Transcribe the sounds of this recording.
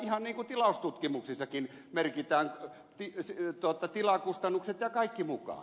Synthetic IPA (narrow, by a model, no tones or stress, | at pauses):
ihɑnniːŋkut̪ilɑust̪ut̪kimuksisːɑkin | merkit̪æːn | t̪ist̪uot̪ɑt̪ilɑkust̪ɑnːukset̪jɑkɑikːimukɑ̰ː